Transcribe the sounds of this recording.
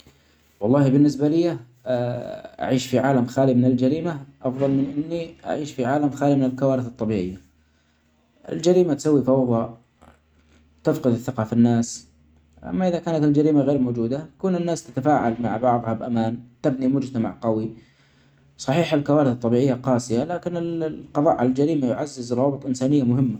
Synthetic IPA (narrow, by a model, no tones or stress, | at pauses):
wɑlˤːɑːhibɪnːɪsbalɪja | ʔa̰ʕiːʃfiʕaːlamxaːlimɪnɪld͡ʒaɾiːmaʔɑfðˤɑlmɪnʔɪnːiʔa̰ʕiːʃfiʕaːlamxaːlimɪnɪlkawaːɾɪθɨt̪ˤːɑbiːʕɪjːa | ʔɪ̰ld͡ʒaɾiːmat̪sawːifɑwðˤɑ | t̪ɪfqɪd̪ɪθːɪqɑfinːaːs | ʔa̰mːaʔɪðakaːnat̪ɪld͡ʒaɾiːmaɣeːɾmoːd͡ʒuːd̪at̪ḁkuːnɪnːaːst̪ḁt̪afaːʕalma̰ʕbɑʕðˤhɑbʔamaːnt̪ɪbnimʊd͡ʒt̪ama̰ʕqɑwi | sˤɑħiːħalkawaːɾɪθɨt̪ˤːɑbiːʕɪjːaqɑːsɪjalaːkɪnɪlqɑðˤɑ̰ːʔʕalald͡ʒaɾiːmajʊʕazːɪzrˤɑːbɨt̪ˤʔɪnsaːnɪjːamʊhɪmːa